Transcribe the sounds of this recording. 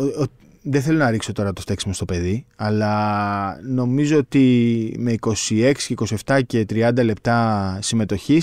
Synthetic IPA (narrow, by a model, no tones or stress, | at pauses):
ot̪ | ðeθe̞lo̞nɐɾikso̞t̪o̞ɾɐt̪oft̪e̞ksimɐst̪ope̞ðiɐlɐ | no̞mizoot̪ime̞iko̞sie̞ksi̥ceiko̞sie̞ft̪ɐce̞t̪ɾiɐnd̪ɐle̞p̚t̪ɐsime̞t̪o̞çis